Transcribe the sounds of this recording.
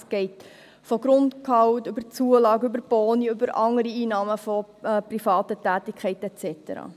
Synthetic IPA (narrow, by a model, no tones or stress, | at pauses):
sɡ̥ɛɪt | fɔɡrʊntkʰɑʊtʏbət͡suəlɑːɡøbəɾpoːniʏbəɾʔɑŋəɾiiːnɑːməfɔ | prifɑːtətæːtɪkʰɛɪtɛt͡sɛtə̰ɾɑ̰ː